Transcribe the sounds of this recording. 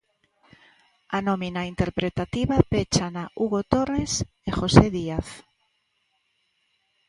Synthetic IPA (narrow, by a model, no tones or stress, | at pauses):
anominaint̪eɾpɾet̪at̪iβapet͡ʃanaʔuɣot̪ores | exoseðiaθ